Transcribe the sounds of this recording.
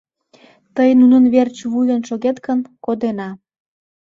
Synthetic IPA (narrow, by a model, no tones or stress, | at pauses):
t̪əjnunənβert͡ɕβujənʃoɣet̪kənkod̪enɑ